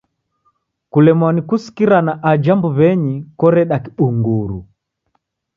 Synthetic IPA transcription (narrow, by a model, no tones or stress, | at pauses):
kulɛmwanikusi̥kiɾanaʔad͡ʒambuβɛɲikɔɾɛɗakiɓuŋɡuɾu